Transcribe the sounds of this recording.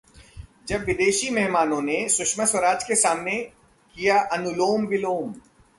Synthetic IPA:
d͡ʒɐbʋɪd̪eːʃimɛɦmaːnõnesʊʃməswɐɾaːd͡ʒkesaːmnẽ | kijaʔɐnʊloːmʋɪloːm

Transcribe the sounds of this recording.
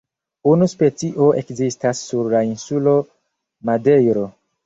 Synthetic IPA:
unuspe̞t͡siʔo̞ʔe̞kzistasːuɾlainsulo̞ | made̞jɾo̞

